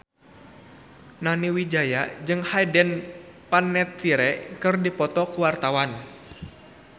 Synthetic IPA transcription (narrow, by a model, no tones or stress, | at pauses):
naniwid͡ʒajad͡ʒɨŋhajdɛnpanːɛt̪ːiɾɛkɨrdipɔt̪ɔkuwart̪awan